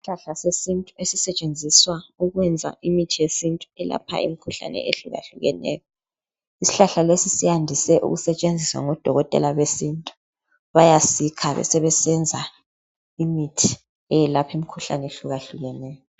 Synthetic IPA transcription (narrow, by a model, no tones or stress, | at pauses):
si̥ɬaɬasesintʼuesisɛt͡ʃʼend͡zʱiswauɣwɛnd͡zʱa̰ʔimitʰijesintʼuɛla̰pʰa̰ḭmikʰuɬa̰nɛ̰eɬuɣa̰ɬuɣɛ̰nɛ̰ːjɔ | isi̥ɬaɬalesisijandʱisɛʔṵɣusɛt͡ʃʼend͡zʱiswa̰ŋɔd̥ʱɔɣɔtʼɛ̰laβesintʼu̥ | βajasikʰaβɛ̰sɛβɛsɛnd͡zʱa | imitʰi̥ | ɛjɛlapʰimikʰuɬa̰nɛeɬuɣaɬuɣɛnɛːjɔ